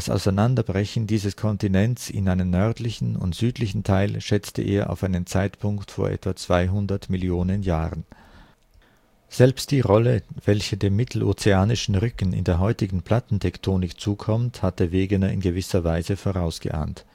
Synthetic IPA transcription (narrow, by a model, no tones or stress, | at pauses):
asa̰ʊsaɪnandɐbʁɛçn̩diːzəskʰɔntinɛnt͡sɪ̰nʔaɪnənnœɐtlɪçn̩ʊ̰ntz̥yːtlɪçn̩tʰaɪlʃɛt͡stə̰ʔḛːɐʔa̰ʊfaɪnənt͡saɪtpʰʊŋktfoːɐʔɛ̰tv̥at͡sv̥aɪɦʊndɐtmɪljoːnənjaːʁən | z̥ɛlpst̚d̥iːʁɔləvɛlçədeːmːɪtʰl̩ʔo̰ːt͡seaːnɪʃn̩ʁʏkn̩ɪ̰ndeːɐɦɔʏtɪɡŋ̩pl̥atn̩tʰɛktʰoːnɪkt͡suːkʰɔmthat̚d̥eːɐveːɡənɐɪnɡəvɪsɐvaɪzəfoːʁaʊsɡ̥ə̰ʔa̰ːnt